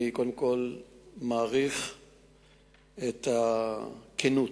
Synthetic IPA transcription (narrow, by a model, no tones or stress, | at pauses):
ikodemko̞lmaːʁif | et̪a | kʰenu